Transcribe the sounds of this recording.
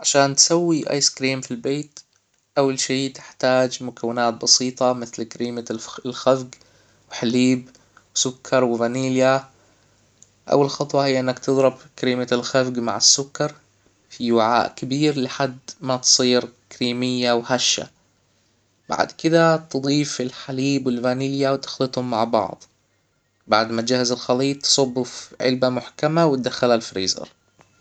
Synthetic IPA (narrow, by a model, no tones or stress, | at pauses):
ʕaʃaːnt̪sawːiʔa̰jskɾiːmfilbeːt̪ | ʔawːalʃiːt̪ɪ̥ħt̪aːd͡ʒmʊkawːɪnaːt̪̚bɑsiːt̪ˤɑmɪθlkɾiːmalxafɡ | wɪħaliːb | wsʊkʰːɑɾˤwɪvaniːlja | ʔa̰wːalxɑt̪ˤwɑhɪjːaʔɪnːakt̪ɨðˤɾɪbkaɾiːmalxafɡma̰ʕɪsːʊkːɑɾˤ | fiwɪʕa̰ːʔkabiːɾlɪħad̪ːmat̪sˤiːɾkɾiːmɪjːawhaʃːa̰ | b̥a̰ʕd̪kɪd̪at̪d̪ˤiːfɪlħaliːbwɪlvaniːljawt̪ɪ̥xlɨt̪ˤhʊmːaʕbɑ̰ʕd̪ˤ | baʕd̪mat̪d͡ʒahazalxɑliːt̪ˤːsˤɑbːʊfʕɪ̰lbamʊħkamawɪt̪̚d̪axːalalfɾiːzɑ̰ɾˤ